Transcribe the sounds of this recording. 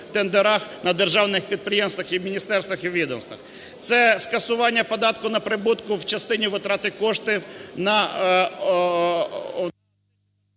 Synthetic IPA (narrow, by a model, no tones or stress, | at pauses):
t̪end̪eɾɑxnɐd̪erʒɑwnɪxpʲid̪̚pɾɪjemst̪ʋɐxiwmʲinʲist̪ɛrst̪ʋɐxiwʋʲid̪ɔmst̪ʋɐ̰x | t̪sɛskɐsʊʋɑnʲːɐpɔd̪ɑt̪̚kʊnɐpɾɪbut̪kʊwt͡ʃɐst̪ɪnʲiʋɪt̪ɾɑt̪ɪkɔʃt̪ɪnɐ